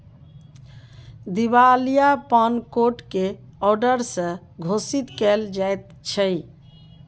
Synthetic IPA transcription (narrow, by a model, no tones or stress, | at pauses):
d̪ibalijapənkoʈkeɔɾɖəɾsə̃ | ɡʱosit̪kɛld͡ʒajt̪̚ | t͡ʃʰəj